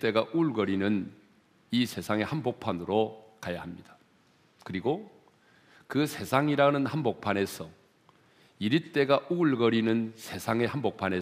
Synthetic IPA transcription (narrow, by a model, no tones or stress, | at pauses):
t͈e̞ɡaʔuɭɡʌɾinɯn | isʰe̞sʰaŋe̞hanbok̚pʰanɯɾokajahamɲid̥ḁ | kɯɾiɡo | kɯsʰe̞sʰaŋiɾanɯnhanbok̚pʰane̞sʰʌ | iɾit͈e̞ɡaʔuɭɡʌɾinɯnsʰe̞sʰaŋe̞hanbok̚pʰane